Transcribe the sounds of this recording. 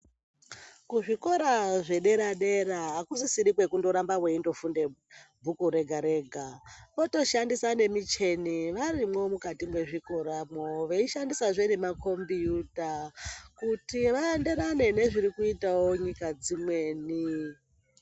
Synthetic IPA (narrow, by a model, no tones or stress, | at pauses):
kuʐiko̞ɾaʐe̞ɗe̞ɾaɗe̞ɾaakusisiɾikwe̞kundo̞ɾambaweindo̞funde̞bʱukuɾe̞ɡʱaɾe̞ːɡʱaʋo̞to̞ʃandisane̞mit͡ʃe̞niʋarimwo̞mukatimwe̞ʐiko̞ɾamoʋeiʃandisaʐenemako̞mbijutakutiʋaendeɾane̞ne̞ʐiɾikuitao̞ɲikad͡zimwe̞ːni